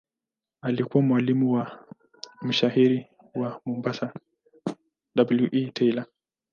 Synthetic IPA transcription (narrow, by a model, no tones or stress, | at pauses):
alikuwamwalimuwa | m̩ʃahiɾi | wamumbasa | dabuljuʔitʰɛila